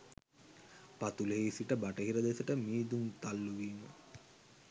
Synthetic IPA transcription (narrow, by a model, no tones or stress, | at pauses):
pat̪uleɦeisiʈəbaʈəɦiɾəd̪esəʈəmiːd̪uŋt̪alːuʋiːmə